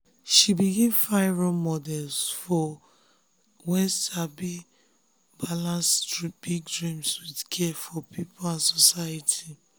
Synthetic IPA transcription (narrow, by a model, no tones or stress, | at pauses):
ʃibiɡĩvfaɪɹɔmɔdɛlsfɔ | wɛstabi | balãnsb̥iɡdɹĩmswidkʰɛfɔpʰipɔlãnsɔsajatʰi